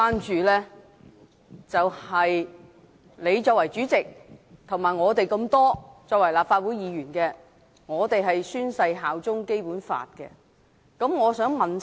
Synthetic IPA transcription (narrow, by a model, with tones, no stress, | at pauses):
aː˥nt͡ʃyː˨lɛː˥ | t͡sɐ˨whɐ˨j | le˨˧jt͡ʃɔː˧k̚wɐ˨˩jt͡ʃyː˨˥t͡sɪ˨k̚t̪ʰʊ˨˩ŋmaː˨˩jŋɔː˨˧t̪e˨jkɐ˧mt̪ɔː˥t͡sɔː˧k̚wɐ˨˩jlaː˨p̚faː˧t̚wuː˨˥jiː˨˧jyː˨˩nkɛː˧ | ŋɔː˨˧t̪e˨jɦɐ˨jsyː˥nsɐ˧jɦaː˨wt͡sʊ˥ŋke˥jpuː˨˥nfa̰ː˧t̚kɛ̰˧ | kɐ˨˥mŋɔː˨˧sœː˨˥ŋmɐ˨n